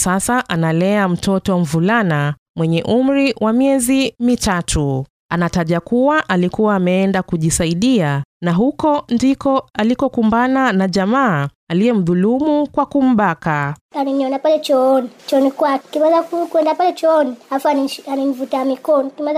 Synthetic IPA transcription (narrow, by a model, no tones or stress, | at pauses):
sasaʔanalɛam̩tʰɔtɔɱ̩vulana | mwɛɲɛʔum̩ɾiwʔamiɛzimitatʰu | anataʄakuwaʔalikuwaːmɛɛndakuʄisaiɗianaɦukɔndikɔalikɔkumbananaʄamaː | alijɛm̩ðulumukwakum̩ɓakaaniniɔnapalɛt͡ʃɔɔnit͡ʃɔɔnikuwakimaðakukuɛndapalɛt͡ʃɔɔnihafuanianinvutamikɔnɔkima